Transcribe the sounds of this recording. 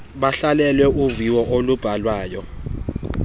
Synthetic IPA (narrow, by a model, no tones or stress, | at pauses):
ɓaɬalɛlwɛʔuviwɔʔolub̥ʱalwaːjɔ